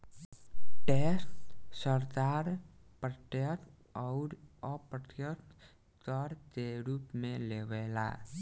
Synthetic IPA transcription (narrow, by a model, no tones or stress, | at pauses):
ʈesʈsəɾd̪aːɾ | pɾət̪jət̪ | ɔʊɾ | ɔpɾət̪jət̪ | kɔɾt̪eɾupmẽleʋeːla̰